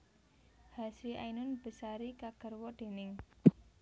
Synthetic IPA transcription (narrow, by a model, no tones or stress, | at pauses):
hasɾiʔajnʊnb̥ə̤saɾikaɡ̥ərwɔɖ̪̥e̤nɪŋ